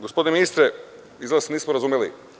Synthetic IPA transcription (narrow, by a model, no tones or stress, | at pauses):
ɡospo̞d̪ineminist̪ɾe | izlasniːsmoɾazumjelḭ